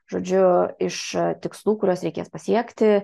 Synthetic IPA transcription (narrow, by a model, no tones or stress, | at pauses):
ʒoːd͡ʒʲʊɪʃt̪ʲɪkslˠuːkʊɾʲoːsɾʲɛɪkʲeːspɐsʲiɛkt̪ʲɪ